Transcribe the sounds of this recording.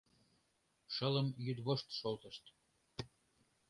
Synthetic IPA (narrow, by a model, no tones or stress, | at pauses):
ʃələmjyd̪βoʃt̪ʃolt̪əʃt̪